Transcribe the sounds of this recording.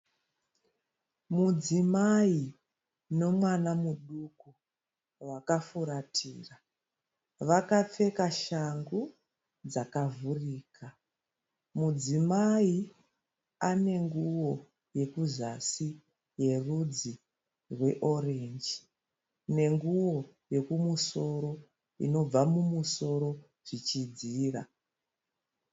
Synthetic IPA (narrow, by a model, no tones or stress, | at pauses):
mud͡zimai | no̞mwanamuɗuku | wakafuɾatʰḭːra | ʋakap͡fe̞kaʃaŋɡu | d͡zakavuriːkʰa | mud͡zimai | ane̞ŋɡuwo̞ | je̞kuzasi | je̞rud͡zi | rwe̞ʔo̞reɲd͡ʒi | ne̞ŋɡuwo̞ | je̞kumuso̞ɾo̞ | ḭno̞b͡vamumuso̞ɾo̞ | ʐ̥it͡ʃid͡ziːra